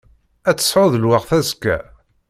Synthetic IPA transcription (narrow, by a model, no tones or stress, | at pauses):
æt͡sːə̥sʕʊðəlwaʁθæskːæ̰